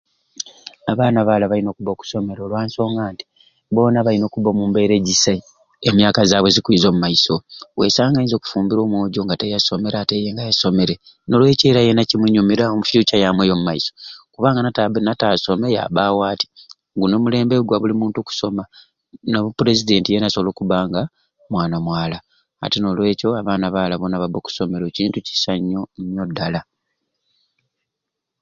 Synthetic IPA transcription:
aβaːnaβaːlaβaino̞ːkuβo̞ːku̥so̞me̞ɾolwaːnso̞ːŋɡaːnti̥ | βo̞ːnaβaino̞ːkuβomuːmbe̞ɾe̞ɟisa | emjaːkazaːβwezikwiːzo̞ːmumaiso̞we̞̰saːŋɡainzo̞ːku̥fuːmbiɾo̞ːmwoːɟo̞ŋɡatejaso̞me̞ɾaːte̞jeːŋɡajaso̞me̞ɾe | no̞lwe̞ceːɾajenacimuɲumiɾaomufjuːcajamwejo̞mumaiso̞kuβaːŋɡanataβenataːso̞me̞ja̰βawaːti̥ | ŋɡuno̞mule̞ːmbe̞ɡwaβulimuːntuku̥so̞ma | noβupuɾe̞zide̞ntije̞nasoβlo̞kuβaːŋɡa | mwaːnamwaːla̰ː | tino̞lwe̞ːco̞aβaːnaβaːlaβonaβaβoku̥so̞me̞ɾo̞ciːntuci̥saɲːoɲːodːala

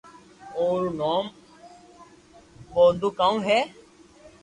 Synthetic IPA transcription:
oːɾnoːm | ɓoːnd̪uːkaːũːɦɛː

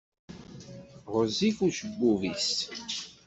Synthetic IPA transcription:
ʁəzifuɾʃəbːuvis

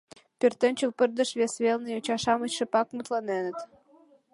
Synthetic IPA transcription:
pʲert̪ə̆nʲt͡ɕəlpə̆rd̪ə̆ʃβʲesβʲelnɤjot͡ɕɑʃɑmə̆t͡ɕʃɘ̆pɑkmut̪lɑnenə̆t̪

